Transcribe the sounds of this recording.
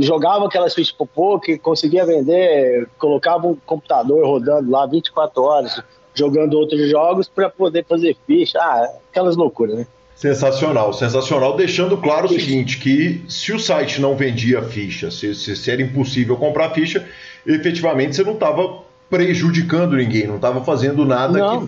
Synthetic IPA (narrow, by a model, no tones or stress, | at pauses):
ʒoɡavɐ̃akɛlɐsfiʃɐ̥spopokɪkõsɪɡiɐvẽnd̪ekolokavɐũkõpu̥t̪ad̪oɾhod̪ɐ̃nd̪ʊlavĩt͡ʃɪ̥kwat̪ɾʊɔɾɐz | ʒoɡɐ̃nd̪ʊowt̪ɾʊzʒɔɡʊspɾɐpod̪efazeɾfiʃɐaakɛlɐzlokuɾɐznɛ | sẽsasionawsẽsasionawd̪ejʃɐ̃nd̪ʊklaɾʊsiɡĩnt͡ʃɪ̥kɪsɪʊsajt͡ʃɪnɐ̃w̃vẽnd͡ʒiɐfiʃɐsɪsɪsɪɛɾɐĩposivewkõmpɾafiʃɐ | efet͡ʃivamẽnt͡ʃɪsenɐ̃w̃t̪avɐ | pɾeʒud͡ʒikɐ̃nd̪ʊnĩɡẽj̃nɐ̃w̃t̪avɐfazẽnd̪ʊnad̪nɐɐ̃w̃